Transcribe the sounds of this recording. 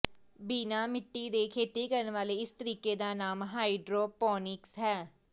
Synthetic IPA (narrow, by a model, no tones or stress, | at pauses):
biːnaːmɪʈːiːd̪eːkʰeːt̪iːkəɾənʋaːleːɪst̪əɾiːkeːd̪aːnaːmɦaːiɖɾoːpɔːnɪksɦɛː